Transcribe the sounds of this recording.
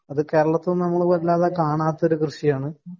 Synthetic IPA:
ɐðɨke̞ːɾɐɭɐt̪ːunɐmːɐɭkoɾɐlːaːðekaːɳaːt̪ːɐoɾukrɨʂijaːɳɨ

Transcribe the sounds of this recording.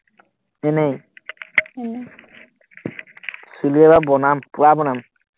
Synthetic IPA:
enej | suliɛbabɔnampuɾabɔnam

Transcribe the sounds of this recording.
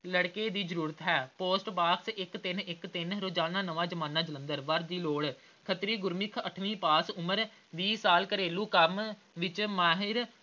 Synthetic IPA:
ləɽkeːd̪iːzəɾuːɾət̪ɦɛːpoːsʈbaːksɪkt̪ɪnɪkt̪ɪnɾoːd͡ʒaːnãːnəʋãːd͡ʒəmãːnːãːd͡ʒələ̃nd̪əɾʋəɾd̪iːloːɽ | kʰət̪ɾiːɡʊɾmɪkʰəʈʰʋĩːpaːsʊməɾ | ʋiːsaːlkəɾeːluːkəm | ʋɪt͡ʃmaːɦɪɾ

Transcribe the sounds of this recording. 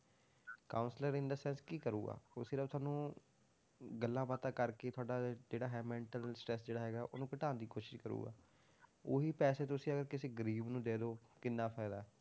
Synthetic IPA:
kaːʊnsləɾɪ̃nd̪əsɛ̃ːnskiːkəɾṵːɡa̰ːosiːɾət̪ʰaːnũː | ɡəlːãːpat̪aːkəɾkeːt̪ʰʊaːɖaːd͡ʒeːɽaːɦɛːmɛ̃ːɳʈəlsʈɾɛsd͡ʒeːɽaːɦɛːɡaːʔoːnũːkəʈaːnd̪iːkoːʃɪʃkəɾṵːɡa̰ː | oːɦiːpɛːseːt̪ʊsĩːəɡəɾkɪseːɡəɾiːbnũːd̪eːd̪oːkɪnːaːpʰaːɪd̪aːɛː

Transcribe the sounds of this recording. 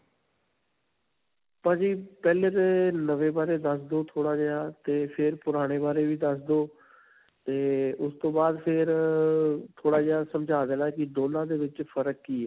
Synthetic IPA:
pãːd͡ʒiːpɛːleːt̪eːnəʋeːbaːɾeːd̪əsd̪oːt̪ʰoːɽaːd͡ʒejaːt̪eːpʰɪɾpʊɾaːɽ̃eːbaːɾeːʋiːd̪əsd̪oː | t̪eːʊst̪õːbaːd̪pʰɪɾ | t̪ʰoːɽaːd͡ʒeːaːsəmd͡ʒaːd̪ɛːlaːkɪd̪oːlãːd̪eːʋɪt͡ʃpʰəɾəkːiːɛː

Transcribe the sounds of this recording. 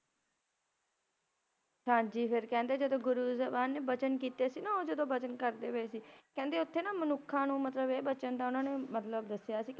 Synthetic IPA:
ʃʰãːd͡ʒiːpʰɪɾkɛ̃ːnd̪eːd͡ʒəd̪õːɡʊɾuːzəbaːnːeːbət͡ʃənkiːt̪eːsiːnaːoːd͡ʒəd̪õːbət͡ʃənkəɾd̪eːʋəeːsiːkɛ̃ːnd̪eːʊt̪ʰːeːnaːmənʊkʰːãːnũːmət̪ləbeːbət͡ʃənd̪aːʊnãːneːmət̪ləbd̪əsːjaːsiːk

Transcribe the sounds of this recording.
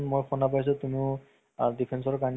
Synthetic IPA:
nmojxɔnap̬ajs̬ɔtumiʊ | dipʰens̬ɔɹkan

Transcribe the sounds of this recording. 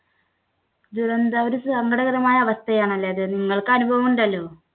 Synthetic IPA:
d̪uɾɐnd̪aoɾusɐŋɡɐɽɐɣɐðɐmaːjɐːʋɐst̪ʰɐjaːɳɐlːɐjɐðɨniŋːɐɭkɨɐnubʱɐʋɐmuɳɖɐlːo̞ː

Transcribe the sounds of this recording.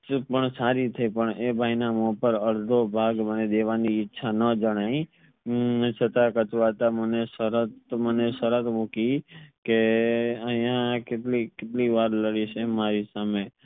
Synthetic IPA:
pəɳsaɾit̪ʰəipəɳebʱainamõpəɾəɽd̪ʱobʱaɡməned̪eʋaniɪtːʃʰanəd͡ʒəɽ̃aĩ | t͡ʃʰət̪akət̪uʋat̪aməneʃəɾət̪məneʃəɾət̪mukikeəɦijãkeʈlikeʈliʋaɾləɽiʃemaɾisame

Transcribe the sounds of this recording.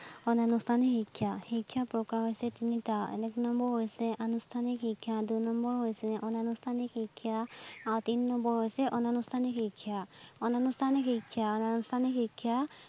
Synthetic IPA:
ɔnanustʰanixikʰːjaxikʰːjapɹɔkɹaɦojsɛtinitaɛ̰nɛknɔmbɔɹɦojsɛʔanustʰanikhikʰːjadunɔmbɔɹɦojsɛʔɔnanustʰanikhikʰːjaaɹutininɔmbɔɹɦojsɛʔɔnanustʰanikhikʰːjaɔnanustʰanikikʰːjaɔnanustʰanikikʰːja

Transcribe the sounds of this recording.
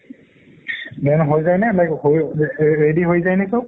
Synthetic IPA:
bɛnɦojzajnɛlajkhojɹediɦojzajnɛkow

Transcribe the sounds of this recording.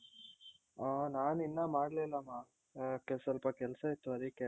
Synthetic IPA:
anaːninːamaːɽlelːamaː | kesɐlpɐkɛlsait̪ːuɐɾikɛ

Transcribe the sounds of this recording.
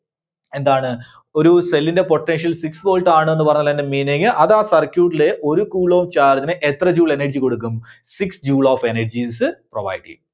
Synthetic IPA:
e̞nd̪aːɳɨ | o̞ɾuse̞lːinde̞poʈːenʂɐlsiksbo̞ːlʈaːɳɨenːɨpɐrɐɲːɐlːɐnːemiːneŋɨʔɐðaːsɐrkʲjuːʈːile̞ʔo̞ɾukuːɭoːmt͡ɕaːrt̪inɨʔet̪rɐd͡ʑuːɭe̞nɐrd͡ʑiko̞ɽuk̬ːumsiksd͡ʑuːɭoːfe̞nɐrd͡ʑisɨproba̰ːjʈːḭ

